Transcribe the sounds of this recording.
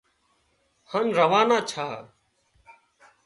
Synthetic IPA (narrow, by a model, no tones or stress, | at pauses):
hənɾəʋaːnaːt͡ʃʰaː